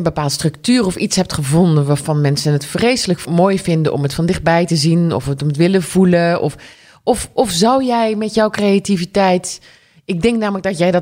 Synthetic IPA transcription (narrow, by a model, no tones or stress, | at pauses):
əbəpaːlˠtəstrɵktyːrɔfitsɦɛp̚tχəvɔndənʋaːɹvɑnmɛnsənətfrejsələkmoːjvɪndəʔɔ̰mətfɑndɪχt̚bɛjtəzinɔ̰fətɔmətʋɪləvuləʔɔ̰f | ɔfʔɔfzɑwjɛjmɛtjɔwkrejativitɛjt | ɪɡ̚dɛŋknaːmələɡ̚dɑtjɛjdɑ